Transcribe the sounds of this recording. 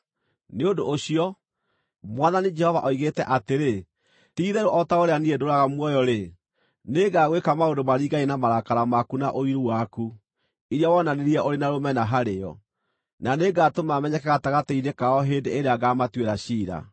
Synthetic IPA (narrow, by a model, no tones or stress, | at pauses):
neondoʔːɕiɔ | mwaðaned͡ʒɛhɔvaʔɔiɣetɛʔateɾe | tiːðɛɾoʔɔtaoɾeaniedoɾaɣamwɔjɔɾe | neɡaɣwekamaondomaɾiːɡaenamaɾakaɾamakunaʔoiɾuwaku | iɾjawɔnaneɾiaʔoɾenaɾomɛnaɦaɾeɔ | naneɡatomamɛɲɛkɛɣataɣatɛiɾekaɔɦendeeɾeaɡamatweɾaɕiːɾa̰